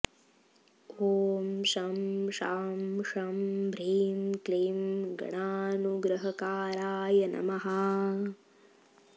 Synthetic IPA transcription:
oːmʃɐmʃaːmʂɐmbʱɾiːmkliːmɡɳaːnuɡɾɐɦɐkaːɾaːjɐnɐ̰mɐɦaː

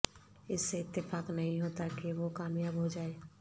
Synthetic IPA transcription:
ɪsːeɪt̪ːɪfaːknɐɦĩɦoːt̪akeʋokaːmjaːbɦod͡ʒaːeː

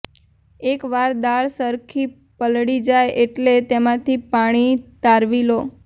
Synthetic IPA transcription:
ekʋaɾd̪aɭsəɾkʰi | pəlɽid͡ʒajeʈlet̪emãt̪ʰipaɽ̃it̪aɾʋilo

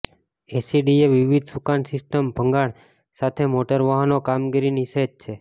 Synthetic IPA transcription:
esiɖieʋiʋid̪ʱsukansɪsʈəmbʱəŋɡaɽ | sat̪ʰemoʈəɾʋaɦanokamɡiɾinised͡ʒt͡ʃʰe

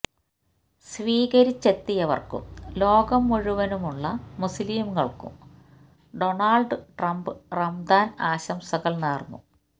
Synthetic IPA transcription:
sʋiːɣɐɾit͡ɕːe̞t̪ːijɐʋɐ̰rkṵmlo̞ːɡɐmːuɻuʋɐnumuɭːɐmuslimɣɐɭkṵm | ɖo̞ɳaːɭɖɨʈrɐmbɨrɐmd̪aːnaːɕɐmsɐɣɐɭneːrnːṵ

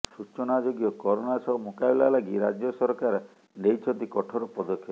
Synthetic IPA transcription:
sut͡ʃɔnad͡ʒoɡijɔkɔɾonasɔɦɔmukabilalaɡiɾad͡ʒjɔsɔɾɔkaɾ | nejt͡ʃʰɔt̪ikɔʈʰɔɾɔpɔd̪ɔkʰːjɔ

